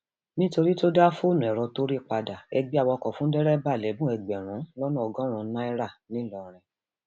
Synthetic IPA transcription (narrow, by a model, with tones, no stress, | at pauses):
nĩ˦to˧ɾi˦to˦da˦fu˦˨nũ˨ɛ˨ɾɔ˧to˦ɾi˦˨k͡pa˧da˨ɛ˧ɡ͡bi˦a˦˧wɔ˧kɔ˨fũ˦dɛ˦ɾɛ˦ba˦˨lɛ˨˦bũ˦ɛ˧˨ɡ͡bɛ˨ɾ̃ũ˨˦lɔ˦nũ˦ɔ˧ɡɔ̃˦ɾ̃ũ˧˦nã˦i˦ɾa˦˨nĩ˨˦lɔ˧˨ɾ̃ɛ̃˧